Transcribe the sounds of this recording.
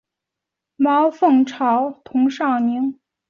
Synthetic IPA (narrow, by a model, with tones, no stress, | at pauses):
mɑ˧˥ʊfɤ˥˩ŋʈ͡ʂʰɑ˧˥ʊt̪ʰʊ˧˥ŋʂɑ˥˩ʊni˧˥ŋ